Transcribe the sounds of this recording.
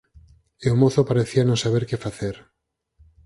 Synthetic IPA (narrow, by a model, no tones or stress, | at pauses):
ewmoθopaɾeθianõnsaβ̞eɾkefaθeɾ